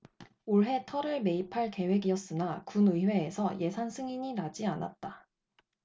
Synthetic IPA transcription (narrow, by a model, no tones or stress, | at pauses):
oɭɦe̞tʰʌɾɯɭme̞ipʰaɭke̞we̞ɡiʌs͈ɯnakunɯiɸwe̞ːsʰʌje̞sʰansʰɯŋiɲinad͡ʑiana̰t̚t͈a